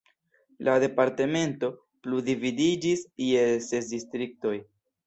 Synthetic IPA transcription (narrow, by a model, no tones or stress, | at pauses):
lade̞paɾte̞me̞nto̞ | pludividid͡ʒisijesesdistɾik̚to̞j